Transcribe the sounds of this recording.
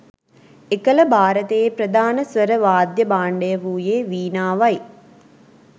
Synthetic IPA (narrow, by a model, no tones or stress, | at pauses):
ekələbʱaːɾət̪eːpɾəd̪ʱaːnəsʋəɾəʋaːd̪jəbaːɳɖəjəʋuːjeːʋiːnaːʋaj